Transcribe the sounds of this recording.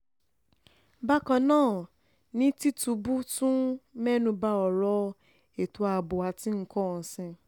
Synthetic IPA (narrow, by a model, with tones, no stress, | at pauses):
ba˦kã˧nãː˦˨ | nĩ˦ti˦tu˧˦bu˦tũ˦mɛ˦nũ˧ba˧ɔ˨ɾɔ˦ | e˨tu˧˦a˧˨bo˨a˨˦ti˦ŋ̩˦kɔ˦˨sɛ̃˧